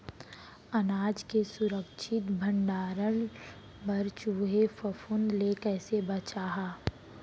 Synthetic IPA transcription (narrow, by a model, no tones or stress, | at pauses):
ɐnaːd͡ʒkesʊɾəkʃʰɪt̪bʱə̃ɳɖaːɾəɳ | bɐɾt͡ʃuːɦefəfʊnleːkɛːsebət͡ʃaːɦaː